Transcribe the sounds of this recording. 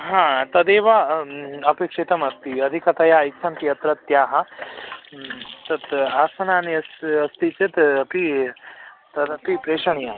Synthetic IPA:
ɦãːt̪ɐd̪eːʋaɐpekʂit̪ɐmɐst̪iɐd̪ʱikɐt̪ɐjaːikt͡ʃʰɐnp̪ijɐt̪ɾɐt̪ːjaːɦɐ | t̪ɐt̪aːsɐnaːniɐsɐst̪it͡ʃit̪ɐpi | t̪ɐd̪ɐpipɾeːʃɐnjaː

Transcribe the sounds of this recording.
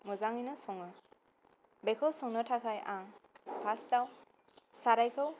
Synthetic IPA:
mɔzaŋijnɯsɔŋɯ | bekʰɔwsɔŋnɯtʰakʰajʔaŋpʰastaw | saɾajkʰɯw

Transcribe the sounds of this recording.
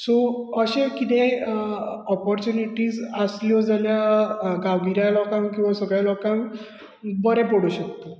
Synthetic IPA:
soəɕẽkit̪e | ɔpɔɾt͡ɕjuniʈiːzəsljɔd͡zaljaɡaʋɡiɾjalɔkãŋkĩw̃ʋasəɡɭjalɔkãŋ | bəɾɛ̃pəɽuɕək̚t̪o

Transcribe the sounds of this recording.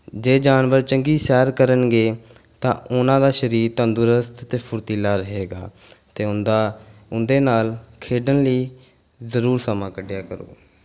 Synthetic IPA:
d͡ʒeːd͡ʒaːnʋəɾt͡ʃəŋɡiːsɛːɾkəɾənɡeː | t̪ã̰ːʊnãːd̪aːʃəɾiːɾt̪ənd̪ʊɾəst̪t̪eːpʰʊɾt̪iːlaːɾəɦeːɡa̰ː | t̪eːʊnd̪aːʊnd̪eːnaːlkʰeːɖənliː | zəɾuːɾsəmãːkəɖjaːkəɾo̰ː

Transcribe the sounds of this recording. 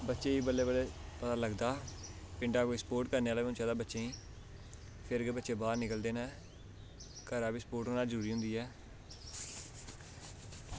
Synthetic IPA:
bətːʃeːiːbəlːeːbəleːpət̪aːləɡd̪aː | pɪɳɖaːkoːisə̥poːɾʈkəɾneːaːleːʊ̃nt͡ʃãːd̪aːbətːʃeːĩː | pʰɪɾɡəbətːʃeːbaːɾnɪkəld̪eːnaː | kəɾaːbiːsə̥poːɾʈɦoːnaːzəɾuːɾiːɦʊ̃nd̪iːɛː

